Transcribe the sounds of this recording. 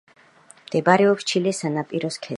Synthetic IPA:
md̪̥ɛbaɾɛɔpst͡ʃʰilɛsanapʼiɾɔskʰɛ

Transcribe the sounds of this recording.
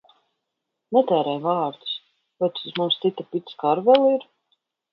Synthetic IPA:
nɛt̪ɛːɾɛjvaːɾd̪u̥s | vɔt̪suzmumst̪sit̪apit̪skaɾvɛlˠiɾ

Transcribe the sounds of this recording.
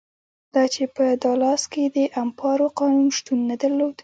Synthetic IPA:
d̪̥ɑt͡ʃepəd̪ɑlɑsked̪əʔampɑɾoqɑnunʃt̪unːad̪aɾlod̪

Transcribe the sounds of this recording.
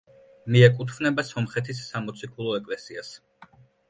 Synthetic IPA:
miɛkʼut̪ʰvnɛbasɔmχɛt̪ʰisːamɔt̪sʰikʰulˠɔɛkʼlɛsias

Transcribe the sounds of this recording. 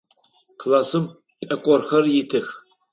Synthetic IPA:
kʰlaːsɨm | pʼɐkʷʼɔrxɐrjɪtʰɨx

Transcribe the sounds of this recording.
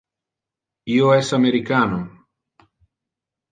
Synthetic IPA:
ioesameɾikano

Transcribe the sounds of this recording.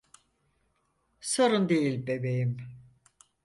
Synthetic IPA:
soɾund̪ejilʲbe̞bejim

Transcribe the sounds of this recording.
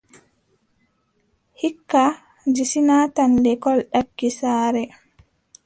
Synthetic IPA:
hikːa | d͡ʒisinaːtandɛkɔlɗakːisaːɾɛ

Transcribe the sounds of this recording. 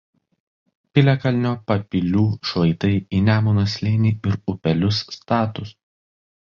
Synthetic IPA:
pʲɪlʲɛkɐlʲnʲoːpɐpʲɪlʲuːʃʋɐɪt̪ɐɪiːnʲæːmʊːnɐsʲlʲeːnʲiːɪɾʊpʲɛlʲʊsːt̪ɑːt̪ʊs

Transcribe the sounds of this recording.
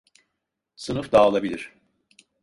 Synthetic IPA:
sɯnɯfd̪aːlˠabilʲiɾ̥

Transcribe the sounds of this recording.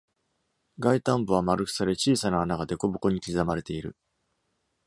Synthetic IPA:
ɡait̪ãmbɯ̟βamaɾɯ̟kɯ̥saɾe̞t͡ɕiːsanaanaɡad̪e̞ko̞bɯ̟ko̞ɲ̟ikʲizamaɾe̞t̪e̞iɾɯ̟̰

